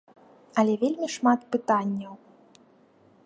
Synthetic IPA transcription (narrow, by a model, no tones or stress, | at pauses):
ɐlʲɛvʲelʲmʲiʂmat̪pɨt̪anʲːɐw